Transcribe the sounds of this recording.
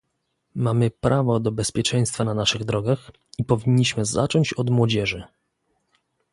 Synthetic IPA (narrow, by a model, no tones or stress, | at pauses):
mamɘpɾavɔd̪ɔbɛspʲjɛt͡ʂɛj̃st̪fananaʂɘɣd̪ɾɔɡax | ipɔvʲiɲʲːiɕmɘza̰t͡ʂɔɲt͡ɕɔd̪mwɔd͡ʑɛʐɘ